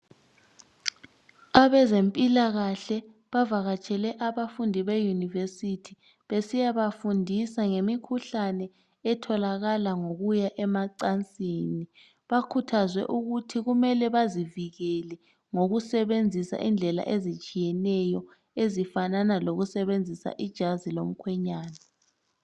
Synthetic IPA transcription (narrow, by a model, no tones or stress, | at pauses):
aβɛzempʼilaɣaɬɛ | βavaɣat͡ʃʼʰɛlɛʔaβafundʱiβejunivesitʰi | βesijaβafundʱisaŋemikʰuɬanɛ | ɛtʰɔlaɣalaŋoɣujaʔɛmaǀant͡sʼiːni | βakʰutʰazwɛ̰ʔuɣutʰiɣumɛlɛβaziviɣɛlɛ | ŋoɣusɛβend͡zʱisa̰ʔind͡ɮʱɛla̰ʔezit͡ʃʼijɛnɛjɔ | ezifananaloɣusɛβend͡zʱisa̰ʔid̥ʒ̥ʱazilo̰m̩kʰwɛɲaːna